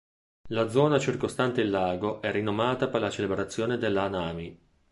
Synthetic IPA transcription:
lad̪zɔːnat͡ʃirkost̪ant̪elːaːɡoʔɛrinːomaːt̪aperlat͡ʃelebɾat̪sːjoːned̪elːanaːmi

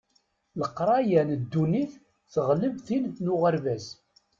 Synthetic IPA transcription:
ləqːɾˤɑjænəd̪ːuniθ | θəʁləvθinθnʊʁəɾvæz

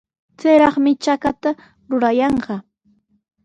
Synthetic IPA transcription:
t͡sejɾɑχmɪt͡ʃakat̪a | ɾʊɾajɑɴɢɑ

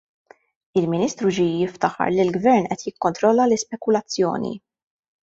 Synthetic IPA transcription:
ɪlmɪniːst̪ɾud͡ʒijɪft̪ɐħɐ̰ɾlɪlɡvɛɾnʔɛt̪jɪkːɔnt̪ɾɔlːɐlɪspɛkʊlɐt͡sːjɔ̰ːnḭ

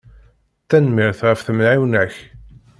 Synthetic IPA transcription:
θænmɪɾθʁəfθəmnʕiwnəç

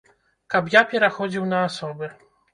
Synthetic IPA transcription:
kapjapʲɛɾaxɔd͡zʲiwnɐːsɔbɨ

